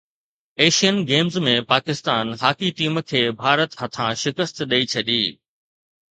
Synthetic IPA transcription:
eːʃijənɡeːmzmẽpaːkɪst̪aːnɦaːkiʈiːmkʰeːbʱaːɾət̪ɦɐt̪ʰãʃɪkəst̪ɗɐit͡ɕʰɐɗiː

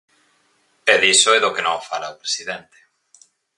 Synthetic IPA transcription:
peðisoɛðokenõŋfalaopɾe̥siðent̪e̥

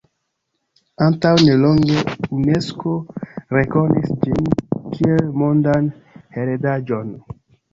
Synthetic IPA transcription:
antawneloŋɡeuneskoɾekoɾnisd͡ʒinkʰielmondan | heɾedad͡ʒon

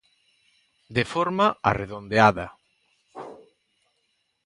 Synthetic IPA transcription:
d̪efɔɾmaa̰reðond̪eaðɐ̰

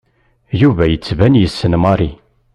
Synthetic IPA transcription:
juvæjət͡sːvænjəsːənmɑɾˤi

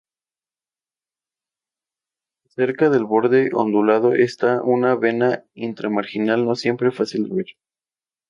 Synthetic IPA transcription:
se̞ɾkaðe̞lβo̞ɾðe̞ʔo̰nd̪ulað̞o̞ʔest̪aʔunaβe̞naint̪ɾemaɾxinalno̞sje̞mpɾefasild̪eβiɾ

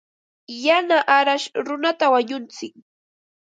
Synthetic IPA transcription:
janaʔaɾaʃɾʊnat̪awaɲʊnt͡sɪk̚

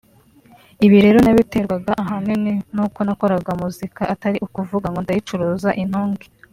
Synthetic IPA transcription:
iβiɾe̞ːɾonaβiteɾɡwaɡaʔaɦanininuːko̞nako̞ɾaɡamuzikaʔataɾiʔukuvuɡaŋɡondajit͡ʃuɾoːzaʔin̥huːŋɡi

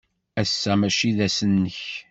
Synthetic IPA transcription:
æsːæmæʃiðæsənːəç

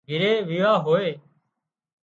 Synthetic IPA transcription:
ɡʱɪɾeːʋiːʋaːɦoːeː

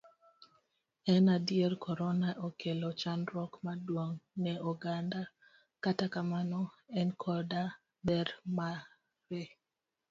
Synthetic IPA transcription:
ɛnadjerkʰɔɾɔnaʔɔkʰelɔt͡ʃanɾɔkmadwoŋnɛɔɡanda | katakamanɔɛnkʰɔda | bɛɾma | ɾe

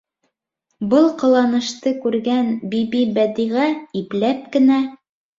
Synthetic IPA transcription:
bɤlˠqɤ̆lˠɑnɤ̆ʃt̪ɤkʉɾɡænbibibæd̪iʁæiplæp̚kɘ̆næ

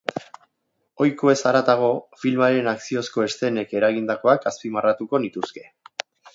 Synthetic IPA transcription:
o̞jkoe̞saɾat̪aɣ̞o̞filmaɾe̞naksio̞sko̞e̞st̪e̞ne̞ke̞ɾaɣind̪ako̞akaspimarat̪uko̞nit̪uske̞

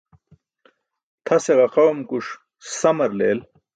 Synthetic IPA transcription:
t̪ʰɐseʁɐqɐwmkuʂ | sɐmɐɾleːl

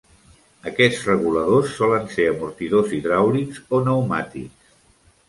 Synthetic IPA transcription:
əkɛd͡zrəɣuləðosːɔlənseəmuɾt̪iðoziðɾawlikzonəwmat̪iks

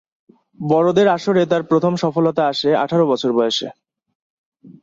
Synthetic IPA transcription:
bɔɾod̪eɾaʃoɾet̪̬aɾpɾot̪ʰomʃɔfolot̪aaʃea̰ʈʰaɾobɔt͡ɕʰoɾbɔjeʃḛ

